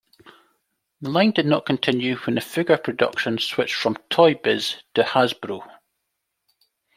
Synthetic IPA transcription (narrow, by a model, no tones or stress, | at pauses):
ðəlˠãɪ̃ndɪdⁿnəʔkʰə̃ntʰɪ̃njʉwə̃nəfɪɡə˞pʰɹ̥ədʌ̰kʃə̃nswɪt͡ʃfɹə̃mtʰɔɪbɪz̥tʰəhazbɹu